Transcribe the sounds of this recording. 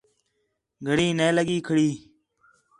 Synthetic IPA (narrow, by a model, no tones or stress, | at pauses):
ɡʱəɽiːneːləɠiːkʰəɽiː